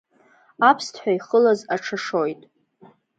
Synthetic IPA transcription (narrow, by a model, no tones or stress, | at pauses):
apʰstʰħʷᶣaiχəlazaʈ͡ʂʰaʂo̞jtʼ